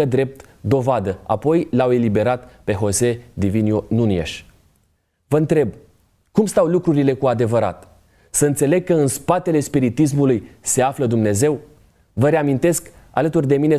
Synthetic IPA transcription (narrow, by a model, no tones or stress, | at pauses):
əd̪ɾe̞p̚t̪d̪o̞vad̪əa̰po̞jlawe̞libe̞ɾat̪pe̞ɦo̞se̞d̪ivinjonuniḛʃ | vəɨnt̪ɾe̞b̚ | kumst̪awlukɾuɾile̞kuad̪e̞vəɾa̰t̪ | səɨnt̪se̞le̞ɡ̚kːəɨnspat̪e̞le̞spiɾit̪is̬mulujse̞afləd̪umne̞ze̞w | vəɾeamint̪e̞sk | a̰lət̪urd̪e̞mine̞